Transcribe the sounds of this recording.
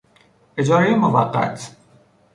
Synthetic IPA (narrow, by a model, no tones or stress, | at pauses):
ed͡ʒɒːɾejemovæ̰qːæ̰t̪ʰ